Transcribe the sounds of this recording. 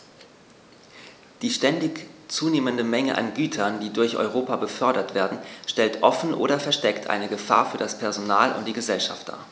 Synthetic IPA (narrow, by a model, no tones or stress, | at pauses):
d̥iːʃtɛndɪçt͡suːneːməndəmɛŋəʔa̰nɡyːtʰɐndiːdʊɐçʔɔ̰ʏʁ̞oːpabəfœɐɾɐtv̥eːɐdn̩ʃtɛltʔɔfn̩ʔo̰ːɾɐfɛɐʃtɛktʰʔa̰ɪnəɡəfa̰ːɐfyːɐdaspʰɛɐzonaːlʔʊ̰nt̚d̥iːɡəzɛlʃa̰ftd̥a̰ː